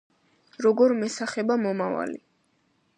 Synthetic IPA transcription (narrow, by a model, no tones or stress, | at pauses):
ɾɔɡɔɾmɛsaχɛbamɔmava̰li